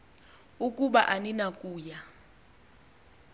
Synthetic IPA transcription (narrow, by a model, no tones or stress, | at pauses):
ukʼuɓaʔaninakʼuːja